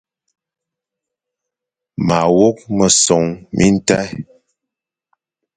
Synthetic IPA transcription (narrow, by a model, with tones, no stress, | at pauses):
ma˨wo˦k̚mə˨sɔ˨ŋmʔi˦n̩˦ta˦j